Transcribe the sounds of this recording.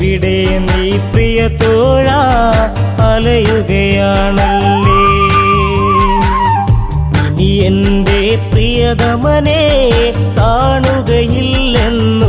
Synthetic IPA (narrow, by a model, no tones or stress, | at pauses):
iɽeend̪eprijɐt̪oːɻa | ɐlɐjuɣɐjaːɳɐlːe | iniend̪eprijɐd̪ɐmɐne | t̪aːɳuɣɐjilːenːu